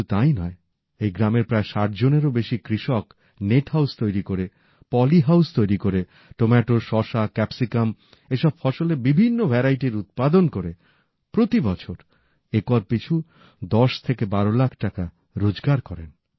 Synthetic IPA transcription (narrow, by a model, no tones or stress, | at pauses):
ut̪ajnɔe | ejɡɾameɾpɾaeʃaʈ̚d͡ʑoneɾobeʃikɾiʃɔk | neʈhawst̪ojɾikoɾe | pɔliɦawst̪ojɾikoɾe | ʈomɛʈoʃɔʃakɛpsikam | eʃɔb̚fɔʃolebibʱinːobʱɛɾajʈiɾut̪̚pad̪onkoɾe | pɾot̪ibɔt͡ɕʰoɾ | ekɔɾpit͡ɕʰu | d̪ɔʃt̪ʰekebaɾolakʰʈaka | ɾod͡ʑɡaɾkɔɾen